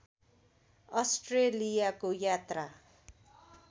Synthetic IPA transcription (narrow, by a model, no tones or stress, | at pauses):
ʌsʈrelijakojat̪ra